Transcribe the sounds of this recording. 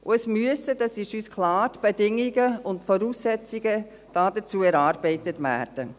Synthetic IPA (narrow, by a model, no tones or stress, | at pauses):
ʔʊɛsmyəsədɑsiʃyːskʰlɑːɾtb̥edɪŋiɡəʊntfɔɾuːsːɛt͡siɡə | d̥ɑːdət͡suːɛɾɑːɾbɛɪtətvæ̰ːɾd̥ə